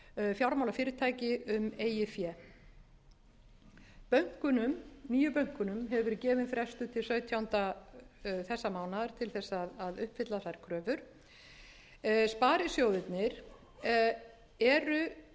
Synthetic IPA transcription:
fjawɾmawlafɪːɾɪɾt̪ʰaːjcɪʏmeːjɪfjɛː | pœɥŋ̥kʏnʏmniːjʏpœɥŋ̥kʏnʏmɦɛvʏvɛɾɪcɛːvɪnfɾɛst̪ʏt̪ʰɪlsœɥt̪ʰjawnt̪a | θɛsːamaːwnaðɾ̥t̪ʰɪlθɛsːaaðaðʏhpfɪt̪laθajɾ̥kʰɾœːvʏɾ̥ | spaːɾɪsjowðɪt̪nɪɾ̥ | ɛɾʏ

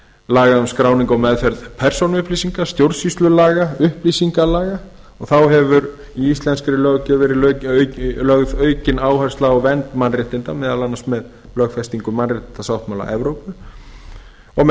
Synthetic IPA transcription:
laːɣaʏmskɾaːwniŋkɔmɛðfɛɾðpʰɛr̥sownʏhplisiŋkast̪jowɾsist̪lʏlaːɣaʏhplisiŋkalaːɣa | ɔɣθawɦɛvʏɾ | iist̪lɛnskɾɪlœɣcʏvɛːɾɪlœɥlœɣðœːɥcɪnaːwhajrst̪aɔɣvɛnt̪manrɪht̪ɪnt̪amɛːðalanːasmɛð | lœɣfɛst̪iŋkʏmanrɪht̪ɪnt̪asawht̪mawla̰ʔɛvɾowpʏ | ɔɣ

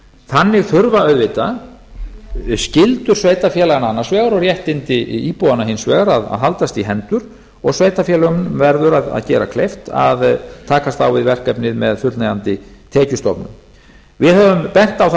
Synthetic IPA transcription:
θanːɪɣθʏɾvaœðvɪt̪a | scɪlt̪ʏɾ̥sveːjt̪afjɛːlaɣanaanːasvɛːɣaɾɔɾjɛht̪ɪnt̪ɪiːpowðanaɦɪnsvɛːɣaɾaða̰ðɦalt̪ast̪iɦɛnt̪ʏɾ̥ | ɔɣsveːjt̪afjɛːlɣʏmnmvɛɾðʏɾaða̰ðcɛːɾa̰kʰlejft̪a̰ðt̪ʰaːkast̪awvɪðvɛr̥kɛpnɪðmɛðfjʏɾt̪najant̪ɪt̪ʰɛːcʏst̪ɔpnʏ̰m | vɪðhœvʏmpɛn̥t̪awθ

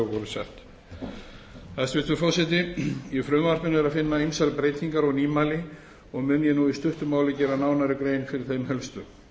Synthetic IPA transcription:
ɣvɔɾʏsaht̪ | θast̪vɪst̪ʏfɔwsɛt̪̬ɪifɾʏɣmaɾ̥pɪnɛɾaðfɪnːaejmsalpɾeːjt̪niŋkaɾɔɣniːmalɪ | ɔɣmʏnjɛnuːist̪ʏht̪ʏmaːwlɪcɛːɾanaːwnaɾɪkɾeːjnfɪɾɪɾθejmɦɛlst̪ʏ

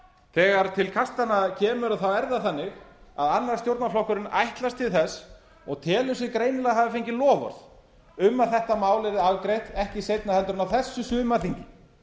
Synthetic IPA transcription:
θɛːɣaɾt̪ʰɪlkʰast̪anacʰɛːmʏɾaðθawɛɾðaθanːɪxa̰ðanːaɾst̪jowɾt̪naflɔhkʏɾɪna̰jht̪last̪ʰɪlθɛsː | ɔɣt̪ʰɛːlʏsɪkɾeːjnɪlɛɣɦaːvɪfejɲcɪlɔːvɔ̰ɾð | ʏmːaθɛht̪amaːwlɪɾðɪaðkɾejht̪ɛhcɪsejt̪nahɛnt̪ɾʏnawθɛsːʏsʏːmaθiɲcɪ

